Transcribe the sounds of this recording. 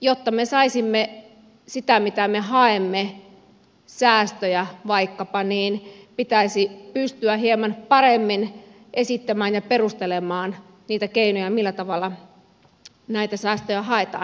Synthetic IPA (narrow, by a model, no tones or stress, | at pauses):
jot̪ːɑmesɑisimːe | sit̪æmit̪æmeɦɑemːe | sæːst̪øjæʋɑikːɑpɑniːnpit̪æisipyst̪yæɦiemɑnpɑremːin | ʔesit̪ːæmæːnjɑperust̪elemˑɑːn | niːt̪ækeinojɑmilːæt̪ɑʋɑlːɑ | næit̪æsæːst̪øjæhɑet̪ɑ̰ːn